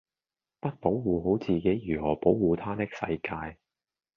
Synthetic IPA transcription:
pɐ˥t̚po˨˥wwuː˨˧ɦo˨˥wt͡siː˨ke˨˥jjyː˨˩hɔː˨˩po˨˥wwuː˨t̪ʰaː˥t̪ɪ˥k̚sɐ̰˧jkaː˧j

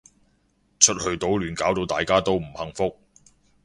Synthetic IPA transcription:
t͡ʃʰɵ˥t̚hɵ˧ɥt̪o˨˥wlyː˨˩nkaː˨˥wt̪o˨˧wt̪aː˨jkaː˥t̪o˥wm̩˨˩hɐ˨˧ŋfʊ˥k̚

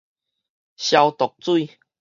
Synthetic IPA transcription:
ɕja˧wt̪ɔ˨˩k̚t͡su˥˧˨

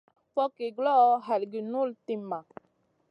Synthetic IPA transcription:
fɔ˦ki˨ɡlɔ˦ɦa˨lɡi˨nu˦˨lti˦ma˨

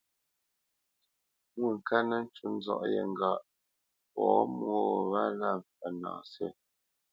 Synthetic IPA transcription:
ŋwu˦˨ŋ̩˨kʰa˦nə˦n̩˦t͡ʃu˦n̩˦d͡zɔ̰˦ʔjɛ̰˨ŋ̩˨ɡa˨ʔ | pɔː˨˦m˦ɔ˦˨βa˦la˦˨ɱfɛ˨na̰ː˨sɛ˦˨

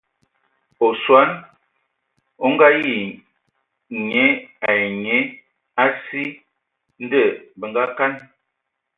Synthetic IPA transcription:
o˨swa˦n | o˦ŋ˦ɡa˦ji˦˨ | ɲe˨˦a˨je˨ɲe˦ | a˦si˦ | n̩˦də˦˨bə˨ŋɡa˦ka˦n

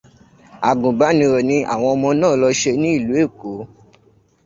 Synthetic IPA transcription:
a˨ɡũ˨ɡ͡ba˨˦nĩ˧ɾɔ˨nĩ˧ʔa̰˦˨w̃ɔ̃˧ɔ˧mɔ̃˧nãː˦˨lɔ˧ʃe˧nĩ˦i˦˨lu˨˦e˦˨ko˨˦

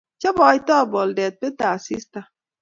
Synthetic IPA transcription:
t͡ʃɔ˦bɔ˨i˦tɔ˦˨bɔ˨ldɛ˨t̚pe˦ta˨si˦sta˨

